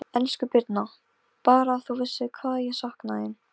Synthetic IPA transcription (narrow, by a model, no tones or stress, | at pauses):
ɛlskʏpɪɾt̪na | paːɾaːθuvɪsːɪkʰvaːðjɛsahknaɪn